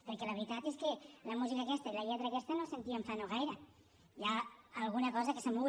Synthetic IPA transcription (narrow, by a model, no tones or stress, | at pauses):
pəɾkɛləβɾit̪at̪eskələmuzikaːkɛst̪ailɐʎɛt̪ɾaːkɛst̪ənosent̪iaeɱfanoɣ̞ajɾə | jaːlˠɣ̞unɐkɔzəkəsəmu